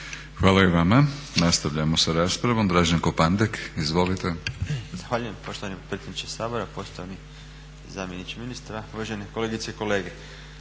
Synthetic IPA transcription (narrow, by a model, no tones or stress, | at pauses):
xʋaːlaiʋamanast̪aʋʎaemosaɾaːspɾaʋo̞md̪ɾaːʒaŋkopand̪ekizʋo̞lit̪ez̥axʋaːʎujempo̞ʃt̪oʋanipɾet̪sʲed̪nit͡ʃesaːboɾapo̞st̪oʋani | zaːmjenit͡ʃiminist̪ɾauʋaʒenekoleːɡit̪seiko̞leːɡe